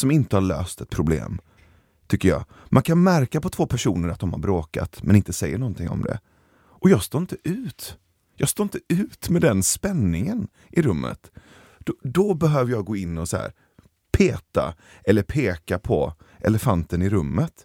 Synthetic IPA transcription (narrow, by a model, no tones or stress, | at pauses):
sɔmɪnt̪əhaɭø̰ːst̪ɛt̪̚pʰɾʊblḛːm | t̪ʰʏkːəjɑ̰ː | mʔankʰanmæɾkapɔt̪ʰv̥oːpʰæʂṵːnəɾat̪̚d̪ɔmha̰ɾbɾoːka̰t̪mɛnɪnt̪əsɛjːənɔnt̪ʰɪŋɔ̰md̪ɛ̰ | ʔɔjɑːɡst̪oːɾɪnt̪əʔʉ̟ːt̪ | jɑːst̪oːɪnt̪əʉ̟ːt̪mɛd̪ɛnspɛnːɪŋən | ʔɪɾɵmːʔə̰t̪ | d̪̥ɔd̪ɔbɛɦøːvəjɑːɡoːɪnːɔsahæ̰ːɾ | pʰeːt̪a̰ | ɛlːəɾpʰeːkapʰɔʔɛ̰ləfant̪ənɪɾɵmːət̪